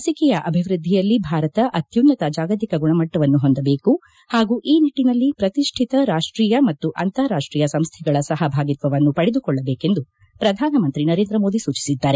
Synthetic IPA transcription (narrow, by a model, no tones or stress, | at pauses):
ɐsikɛjɐʔɐbʱiʋɾɨd̪ʱːijɐlːibʱaːɾɐt̪ɐʔɐt̪junːɐt̪ɐd͡ʒaːɡɐt̪̬ikɐɡuɳɐmɐʈːɐʋɐnːuɦo̞nd̪ɐbe̞ːku | haːɡuʔiːniʈːinɐlːipɾɐt̪iʂʈʰit̪ɐɾaːʂʈɾiːjɐmɐt̪ːuʔɐnt̪ɐɾaːʂʈɾiːjɐsɐmst̪ʰɛɡɐɭɐsɐɦɐbʱaːɡit̪ʋɐʋɐnːupɐɽed̪ukɔɭːɐbe̞ːke̞nd̪u | pɾɐd̪ʱaːnɐmɐnt̪ɾinɐɾeːnd̪ɾɐmo̞ːd̪isuːt͡ʃi̥sid̪ːaːɾe